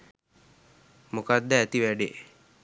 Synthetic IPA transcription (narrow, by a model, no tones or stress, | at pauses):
mokad̪ːəæt̪iʋæɖe